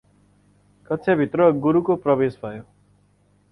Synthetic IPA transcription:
kʌtːsʰjabʱit̪rʌɡuɾukoprʌbesbʱʌjo

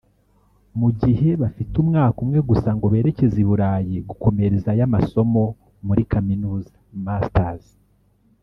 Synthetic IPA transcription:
muɟiɦe̞βafitumŋaːkumŋe̞ɡusaŋɡo̞βe̞ːɾe̞ce̞ziβuɾaːjiɡuko̞me̞ɾezajamaso̞mo̞ | muɾikʰaminuːzḁmastaz

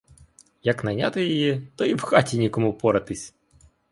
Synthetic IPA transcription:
jɐknɐnʲa̰t̪ɪjɔjit̪ɔiwxɑtʲinʲikɔmʊpɔɾɐt̪ɪsʲ

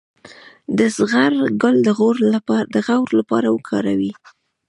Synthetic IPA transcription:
d̪əsɣaɾɡʊld̪əɣoɾd̪əɣawɾlapɑ̰ɾawəkʰɑɾawi

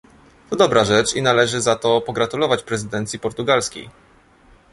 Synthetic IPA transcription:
t̪ɔd̪ɔbɾaʐɛt͡ʂinalɛʐɘzat̪ɔpɔɡɾat̪ulɔvat͡ɕpɾɛzɘd̪ɛnt̪sʲipɔɾt̪uɡalskʲḛj

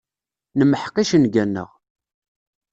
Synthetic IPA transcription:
nəməħqiʃənɡænːə̰ʁ

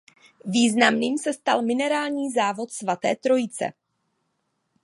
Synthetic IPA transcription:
viːznamniːmsɛst̪a̰lmɪnɛɾaːlɲiːzaːvo̞t̪svat̪ɛːt̪ɾojɪt͡sɛ̰

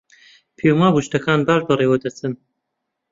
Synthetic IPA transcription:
pʰemaːbuʃt̪ɐkaːnbaːʒbɐreːwɐd̪ɐt͡sʰɨn

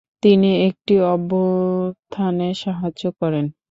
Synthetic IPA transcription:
t̪iniek̚ʈiɔbost̪ʰaneʃaɦaokɔɾen

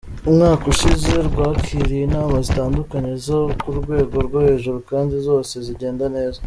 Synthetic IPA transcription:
umŋaːkoʃize̞ɾɡwaːkʰiɾienaːmazitaːndukaɲe̞zo̞kuɾɡwe̞ːɡo̞ɾɡwohe̞ːʒuɾukaːndizo̞ːse̞ziɟe̞ːndane̞ːza

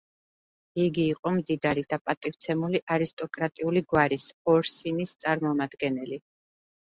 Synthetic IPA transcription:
iɡiːqʼɔmd̪id̪aɾid̪apʼat̪ʼift̪sʰɛmuliʔaɾist̪ʼɔkʼɾat̪ʼiuliɡwaɾisɔɾsinist̪sʼaɾmɔmad̪ɡɛnɛli

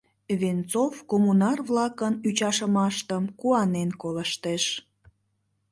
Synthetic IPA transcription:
vent͡sofkomunɑrvlɑkənyt͡ɕɑʃəmɑʃt̪əmkuɑnenkoləʃt̪eʃ

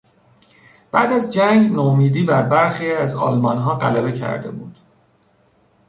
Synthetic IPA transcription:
b̥æːd̪æzd͡ʒæŋɡnomiːd̪iːbæɾbæɾxiːæzɒ̰ːlmɒːnɦɒːɢæ̰læbe̞cʰæ̰ɾd̪e̞̰buːd̪̥

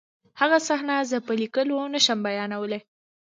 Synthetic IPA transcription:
haɣasaxnazəpəlikəlonəʃəmbajɑnawəle

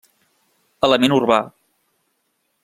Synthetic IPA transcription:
ələmenurβa

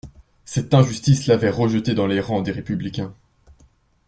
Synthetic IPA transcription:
sɛt̪ɛ̃ʒyst̪islavɛʁəʒət̪ed̪ɑ̃leʁɑ̃d̪eʁepyblikʲɛ̃

